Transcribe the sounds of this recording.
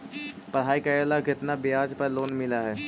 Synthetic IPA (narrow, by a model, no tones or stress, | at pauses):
pəɾɦaːikaəːlakɪt̪nabɪjaːd͡ʒpɐɾloːnmɪlaɦɛː